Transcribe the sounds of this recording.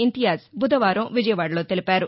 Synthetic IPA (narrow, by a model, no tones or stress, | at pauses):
int̪ijaːsbʱud̪ɐʋaːɾɐ̃mʋid͡ʒɐjɐʋaːɽloːt̪elipaːɾu